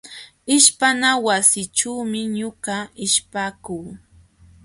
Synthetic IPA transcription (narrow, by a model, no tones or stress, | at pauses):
ɪʃpanawasɪʈ͡ʂuːmɪɲoɢɑɪʃpaːkuː